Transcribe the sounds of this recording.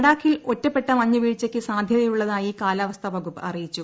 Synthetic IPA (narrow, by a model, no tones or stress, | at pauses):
ɽaːkːilo̞tːɐpːe̞ʈːɐmɐɲːuʋiːɻt͡ɕːɐkʲːɨsaːd̪ʱjɐðɐjuɭːɐðaːjikaːlɐʋɐst̪ʰɐbʱɐɣupːɨɐrijit͡ɕːu